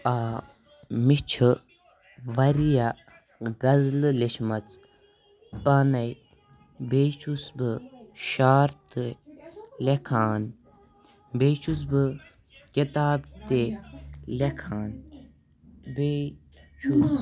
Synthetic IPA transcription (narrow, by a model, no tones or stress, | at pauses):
aː | mit͡ʃʰɨ | ʋɐɾija | ɡɐzlɨleʃmɐt͡s | paːnɐj | beːt͡ʃʰusbɨʃaːɾt̪ɨ | lekʰaːn | beːt͡ʃʰus̬bɨ | kit̪aːbt̪e | lekʰaːn | beː | t͡ʃʰus